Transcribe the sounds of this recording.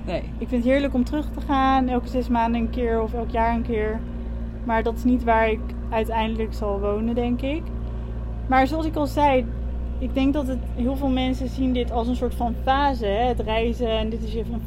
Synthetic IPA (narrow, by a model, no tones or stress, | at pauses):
n | ɪkfɪnətɦɪːɹləkɔmtərɵχtəχaːnɛlˠkəzɛsmaːndəənkɪːɹɔfɛlˠkjaːɹənkɪːɹ | maːɹdɑtɪ̥snitʋaːɹɪk | œɥtɛjndələksɑlˠʋownəndɛŋkɪk | maːɹzoɑlsɪkɑlˠzɛj | ɪɡ̚dɛŋk̚dɑtət | ɦɪːlˠvɪːlˠmɛnsəzindɪtɑlˠsənsʊːɹtfɑnfaːzəɦɛətrɛjzəɛndɪtɪsefə